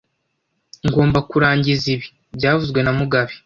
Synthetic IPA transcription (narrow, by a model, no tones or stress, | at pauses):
ŋɡo̞ːmbakuɾaːɲɟiziβi̥ | bɟaːvuzɡwe̞namuɡaβi̥